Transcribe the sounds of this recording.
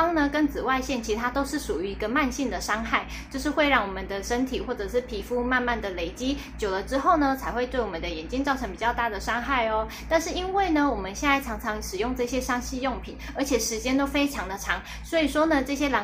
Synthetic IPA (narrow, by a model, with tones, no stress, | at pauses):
ŋnə˨kə˦˥nt͡sɹ̩˨˩wa˥˧ɪɕjɛ˥˩nt͡ɕʰi˧˥t̪ʰa˥t̪o˥ʊʂɻ̩˥˩ʂu˨˩y˧˥i˧˥ɡə˧ma˥˧nɕi˥˩ŋd̪ə˩ʂɑ˥ŋxa˥˩ɪt͡ɕt͡ɕo˥˧ʊʂ̬ɻ̩˥˧xwe˥˧ɪɻɑ˥˩ŋwɔ˨˩mə˦nd̪ə˩ʂə˥nt̪ʰi˨˩xwɔ˥˩ʈ͡ʂɤ˨˩ʂɻ̩˥˩pʰi˧˥fu˥ma˥˧nma˥˩nd̪ə˩le˧˩ɪt͡ɕi˥ | t͡ɕjo˨˩ʊlə˦ʈ͡ʂɻ̩˥xo˥˩ʊnə˦t͡sʰa˧˥ɪxwe˥˧ɪt̪we˥˩ɪwɔ˨˩mə˦nd̪ə˩jɛ˨˩nt͡ɕi˥ŋt͡sɑ˥˩ʊʈ͡ʂʰɤ˧˥ŋpi˨˩t͡ɕjɑ˥˧ʊt̪a˥˩d̪ə˩ʂɑ˥ŋxa˥˩ɪɔ˨ | t̪a˥˧nʂɻ̩˥˩i˦˥nwe˥˩ɪnə˩wɔ˨˩mə˦nɕjɛ˥˧na˥˩ɪʈ͡ʂʰɑ˧˥ŋʈ͡ʂʰɑ˧˥ŋʂɻ̩˨˩jʊ˥˧ŋʈ͡ʂɤ˥˩ɕjɛ˥ʂɑ˥ŋɕi˥˧jo˥˩ŋpʰḭ˨˩˦nə˞˧˥t͡ɕʰjɛ˨˩ʂɻ̩˧˥t͡ɕjɛ˥nt̪o˥ʊfe˥ɪʈ͡ʂʰɑ˧˥ŋd̪ə˨ʈ͡ʂʰɑ˧˥ŋ | swɔ˧˥i˨˩ʂwɔ˥nə˨ʈ͡ʂɤ˥˩ɕjɛ˥lɑ˧˥